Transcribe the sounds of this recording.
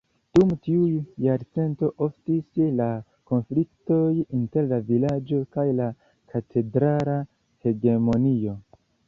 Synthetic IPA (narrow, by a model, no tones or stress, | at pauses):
d̥umtiujaɾt͡se̞nto̞ʔo̞ftisla | ko̞nflikto̞jinte̞ɾlavilad͡ʒo̞kajla | kʰatʰe̞dɾala | he̞ɡe̞mo̞nio̞